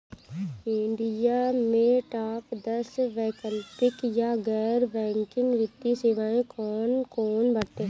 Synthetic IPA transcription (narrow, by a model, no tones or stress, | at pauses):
ɪ̃ɳɖijamẽʈaːpd̪ɐsʋɛːkəlpɪkjaɡɛːɾʋɛ̃ːŋkɪnʋɪt̪ːisɪʋaːẽkɔːnkɔːnbɐɽt̪eɦɛ